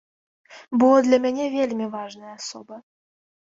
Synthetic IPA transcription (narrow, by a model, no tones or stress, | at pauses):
bulɤ̆d̪lʲæmʲenʲevʲelʲmʲevɑʐnəjɑsobɤ̆